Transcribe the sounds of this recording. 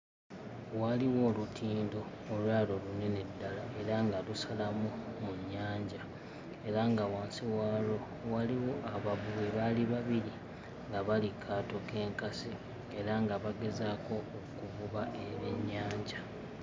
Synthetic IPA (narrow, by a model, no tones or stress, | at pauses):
waliwo̞ːlutʰiːndo̞ː | lwaːlo̞lune̞nedːalae̞ɾaŋɡalusalamumuɲːaːɲɟa | e̞ɾaŋɡawaːnsiwaːlo̞ | waliwo̞ʔaβaβuɣeβaliβaβiɾi | ŋɡaβalikʰːaːto̞ke̞ːŋkasiː | ɾaŋɡaβaɡe̞zaːko̞ːkuβuβaʔeeɲːaːɲɟa